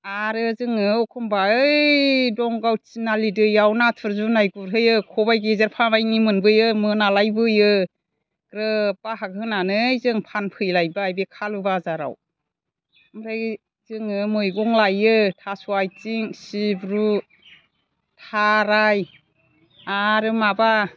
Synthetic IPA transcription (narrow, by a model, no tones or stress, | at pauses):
aɾɯzɯŋɯɔkʰɔmbaɯjdɔŋɡawt͡ʃinalidɯjawnatʰɯɾzunajɡuɾɦɯjɯkʰɔbajɡezaɾpʰabajnimɯnbɯjɯmɯnalajbɯjɯ | kɾɯpaɦaɡɯnanɯjzɯŋpʰanpʰɯjlajbaajbekʰalubazaɾa̰w | mɾa | zɯŋɯmɯjɡɔŋlajɯtʰasuajt͡ʃiŋsibɾu | tʰaɾaj | aɾɯmaba